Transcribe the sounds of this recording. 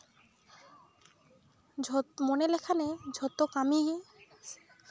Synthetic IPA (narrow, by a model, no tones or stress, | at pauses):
monelekʰaned͡ʑʱot̪okamiɦie